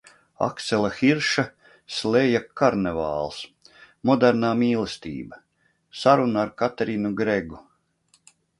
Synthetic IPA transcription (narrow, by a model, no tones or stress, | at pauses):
a̰kt̪sɛlˠaxiɾʃa | slʲejakaɾneva̰ːlˠs | mɔd̪ɛɾnaːmiːlˠest̪ḭːbɐ | saɾunaːɾkat̪eɾinuɡɾeɡu